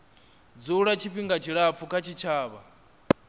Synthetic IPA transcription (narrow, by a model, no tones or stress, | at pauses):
d͡zuɺat͡ʃʰiɸiŋɡat͡ʃʰiɺap̪fukʰat͡ʃʰit͡ʃʰaːβa